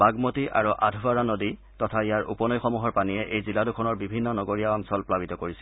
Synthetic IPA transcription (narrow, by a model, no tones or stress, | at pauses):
baɡmotiʔa̰ɹuʔadʱuaɹanodi | tɔtʰaijaɹʔṵpɔnɔjxɔmuɦɔɹpanijɛʔejziladukʰɔnɔɹbibʱinːɔnɔɡoɹijaɔnsɔlplabitɔkoɹisil